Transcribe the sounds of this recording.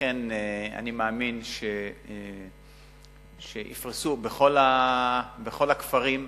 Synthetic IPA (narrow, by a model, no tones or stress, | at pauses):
ena̰nimaːminʃe | ʃeʔḭfʁisubeχo̞la | beχo̞lakfaʁim